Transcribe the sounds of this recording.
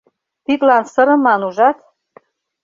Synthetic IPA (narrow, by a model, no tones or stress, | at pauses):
pit̪lɑnsɤ̆ɾɤ̆mɑnuʒɑt̪